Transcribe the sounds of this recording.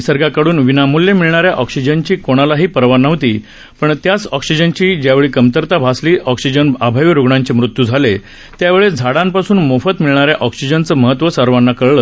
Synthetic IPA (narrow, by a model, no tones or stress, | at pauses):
səɾɡakəɽuːnʋinamuljemiɭɳaɾjaʔɔksid͡ʑənt͡ɕiːkoɽ̃alaɦiːpəɾʋanəʋt̪iː | pəɳt̪jat͡sɔksid͡ʑənt͡ɕiːd͡ʑjaʋeɭiːkəmt̪əɾt̪abʱasliːʔɔksid͡ʑənabʱaʋɾoɡɳãɲt͡ɕemɾut̪jud͡zʱale | t̪jaʋeɭed͡zʱaɽãmpasuːnmofət̪miɭɳaɾjaʔɔksid͡ʑənt͡səːməɦət̪ːʋəsəɾʋanːakəɭɭə